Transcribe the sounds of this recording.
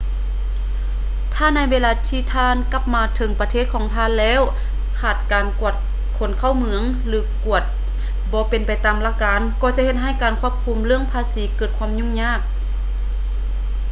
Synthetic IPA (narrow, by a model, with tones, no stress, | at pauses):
t̪ʰaː˧˥˩na˧˥˨jweː˧˨laː˧t̪ʰiː˧˩t̪ʰaː˧˥˨nka˧˩p̚maː˧t̪ʰɤ˨˦ŋpa˧t̪ʰeː˥˩t̪̚kʰɔː˨˦ŋt̪ʰaː˧˨nlɛː˧˥˨w | kʰaː˧˩t̪̚kaː˨nku˧˨˩ət̪̚ | kʰo˨˦nkʰa˧˥˨wmɯ˧˦əŋ | lɯː˨˦ku˧˩ət̪̚ | bɔː˧˦pe˨npa˨˩jt̪aː˨mla˧˥kaː˨˧˦nkɔː˧˦t͡ɕa˧ʔhe˧t̪̚ɦa˧˥˩jkaː˨˩nkʰu˧˥˩əp̚kʰuː˧˥˦mlɯ˥˩əŋpʰaː˧˥siː˨˦kɤː˧˩t̪̚kʰwaː˧˥˨mɲu˧˥˨ŋɲaː˧˥˩k̚